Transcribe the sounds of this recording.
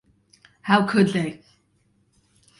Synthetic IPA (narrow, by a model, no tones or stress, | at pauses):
hawkʰʊd̪ðeɪ